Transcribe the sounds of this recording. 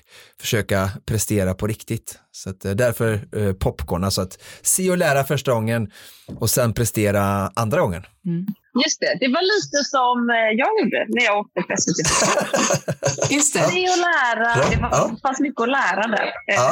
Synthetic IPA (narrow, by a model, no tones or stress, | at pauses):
fœ̥ʂøːkapʰɾɛst̪eːɾapʰɔɾɪkt̪ɪt̪sɔat̪d̪æɾfœɾpʰɔpːɡoːnasɔat̪seːɔlæːɾafœʂʈaɡɔŋːənɔsɛnpʰɾɛst̪eːɾaʔand̪ɾaɡɔŋːən | jɵst̪ɛd̪ɛvaliːt̪əsɔmjɑːɡjuːɖːə̰næɾjɑːɡɔɾk̚t̪əpʰɾɛsət̪ʰɪ | sɛɔlæːɾad̪ɛvafanst̪mʏkːəɔlæːɾad̪æ̰ːɾ